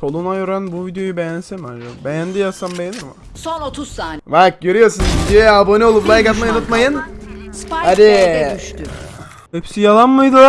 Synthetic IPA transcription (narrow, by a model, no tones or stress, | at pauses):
tʰo̞lˠunaøɾænbuvid̪jo̞jubejænsɛmand͡ʒakbejænd̪ijasambenma | sonot̪ʰuvak̚ɟø̞ɾyjo̞ɾsunvid̪ijo̞jɛabo̞nio̞lˠuplˠajkat̪maunut̪majɯn | had̪i | hɛpsijalˠanmɯjd̪ɯ